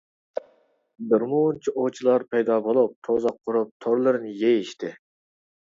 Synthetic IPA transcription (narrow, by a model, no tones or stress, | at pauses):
d̪ɨɾmunt͡ʃʰiʔot͡ʃʰilˠɑɾpʰɛjd̪ɑːbolˠup̚t̪ʰozɑqʰːʊɾup̚t̪ʰoɾlˠɨɾɨnɪjejiʃt̪ʰɪ